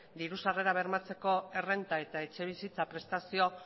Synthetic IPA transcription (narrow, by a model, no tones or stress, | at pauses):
d̪iɾusare̞ɾaβ̞e̞ɾmat͡se̞ko̞e̞re̞nt̪ae̞t̪ae̞t͡ʃe̞β̞isit͡sapɾe̞st̪asio̞